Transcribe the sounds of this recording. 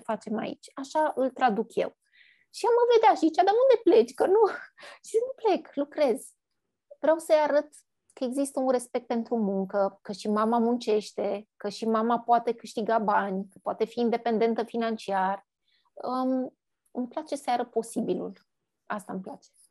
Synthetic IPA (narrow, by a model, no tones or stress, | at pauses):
fat͡ʃe̞ma̰ḭt͡ʃʲaʃaʔɨlt̪ɾad̪ukje̞̰w | ʃiamːəve̞d̪eaʃiit͡ʃad̪aund̪e̞ple̞t͡ʃʲkənuʃinuple̞klukɾe̞z | vɾeawsəjaɾət̪ | kəeɡzist̪əunre̞spe̞k̚t̪̚pe̞nt̪ɾumuŋkəkəʃimamamunt͡ʃe̞ʃt̪e̞kəʃimamapoat̪e̞kɨʃt̪iɡabanʲkəpoat̪e̞fiːnd̪e̞pe̞nd̪e̞nt̪əfinant͡ʃiar | əm | ɨmplat͡ʃe̞səjaɾəpo̞sibilṵl | ast̪aɨmplat͡ʃe̥